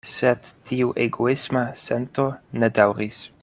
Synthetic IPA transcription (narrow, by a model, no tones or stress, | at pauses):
set̪ːiuʔeɡoismasent̪oned̪awɾis